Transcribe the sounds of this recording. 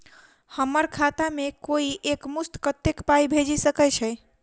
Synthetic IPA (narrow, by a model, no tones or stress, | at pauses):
həməɾkʰat̪amekoiʔekmust̪kət̪ːekpaibʱed͡ʒisəkɛt͡ʃʰɛj